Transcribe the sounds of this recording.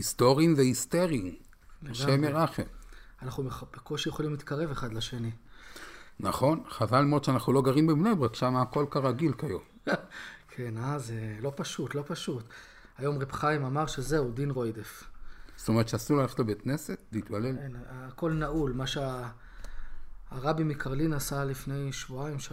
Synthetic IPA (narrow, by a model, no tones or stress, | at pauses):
ist̪o̞ʁiimvehist̪eʁiim | leɡʃemeʁaχemanaχumeb̥ekoʃejeχolimlit̪kaʁe̞veχad̪laʃeni | naχo̞nχavalmoʃeanaχnulo̞ɡaʁimbebnejbʁakʃamaːko̞lkaʁaɡilkajom | kʰenazelo̞paʃut̪lopaʃut | ajo̞mʁebχaimamaʁʃezeud̪inʁo̞jd̪efst̪omeʁet̪ʃeasulalaft̪labet̪nesetleit̪balelenːko̞lnaʔulmaʃea | ʁabimikaʁlinasalifne̞jʃvuaimʃ